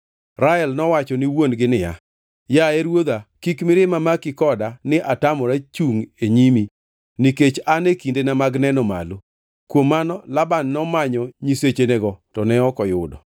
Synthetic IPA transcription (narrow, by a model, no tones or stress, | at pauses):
ɾaɛlnɔwat͡ʃɔnɪwonɡɪnɪja̰ | jaɛɾwod̪akikmɪɾɪmamakɪkɔdanɪʔatamɔɾat͡ʃuŋeɲimi | niket͡ʃanekindenamaɡnɛnɔma̰lo | kwomːanɔlabanːɔmaɲɔɲiset͡ʃeneɡɔtɔnɛɔkɔjʊdɔ̰